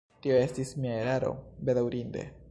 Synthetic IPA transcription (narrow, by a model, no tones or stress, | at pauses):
tio̞e̞stismiaeɾaɾo̞̰be̞dawɾinde̞̰